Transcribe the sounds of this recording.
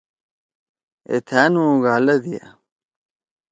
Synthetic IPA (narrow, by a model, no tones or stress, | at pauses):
ḛt̪ʰaːnũːɡaːlɐd̪ia̰